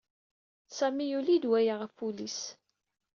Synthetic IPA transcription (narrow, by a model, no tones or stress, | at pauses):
sæmijulid̪wæjəʁəfulis